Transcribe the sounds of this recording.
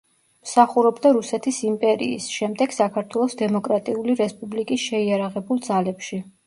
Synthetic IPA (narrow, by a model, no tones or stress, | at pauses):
msaχuɾɔbd̪aɾusɛt̪ʰisimpʼɛɾḭːsʃɛmd̪ɛɡ̥sakʰaɾt̪ʰwɛlˠɔsd̪ɛmɔkʼɾat̪ʼiuliɾɛspʼublikʼisʃɛiaɾaʁɛbulˠd̪zalɛpʃi